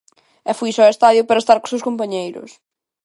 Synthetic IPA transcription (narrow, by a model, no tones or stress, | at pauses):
ɛfujsɔest̪aðjʊpaɾɐest̪aɾkosewskompaɲejɾʊ̰s